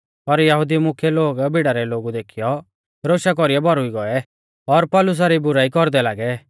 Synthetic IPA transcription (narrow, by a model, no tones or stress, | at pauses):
pɐɾjɐɦʊd̪imʊkʰjɛloːɡbʱiɽaɾɛloːɡud̪eːkʰijɔ | ɾoːʃak̬ɔɾiɛbʱɔɾɦʊiɡɔɛ | ɔɾpɔlʊs̬aɾibʊɾaːikɔɾd̪ɛlaːɡɛ